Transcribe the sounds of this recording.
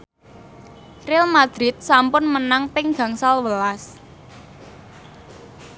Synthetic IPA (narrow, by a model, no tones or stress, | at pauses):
rɪlmad̪̥ɾɪt̪̚sampʊnmənaŋpɪŋɡa̤ŋsalwəlas